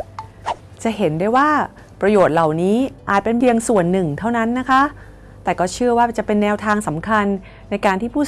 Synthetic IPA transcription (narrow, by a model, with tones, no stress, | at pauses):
t͡ɕa˨˩ɦe˩˦ndaː˥˩jwaː˥˩ | pɾa˧joː˨˩t̪̚la˨˩wniː˦˥ʔaː˨˩t̪̚pe˧npʰi˧əŋsu˨˩ənːɯ˨˩ŋt̪ʰa˥˩wna˦˥nːa˦˥kʰa˦˥ | t̪ɛː˨˩kɔː˥˩t͡ɕʰɯ˥˩əwaː˥˩t͡ɕa˨˩ʔpe˧nːɛː˧wt̪ʰaː˧ŋsa˩˦mkʰa˧nː | a˧jkaː˧nt̪ʰiː˥˩pʰuː˥˩